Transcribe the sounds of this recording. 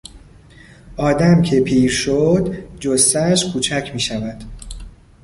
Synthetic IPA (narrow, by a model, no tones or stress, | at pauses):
ʔɒːd̪æmcʰe̞pʰiːɾʃod̪d͡ʒost̪æʃkʰuːt͡ʃʰæcʰmiːʃævæd̪̥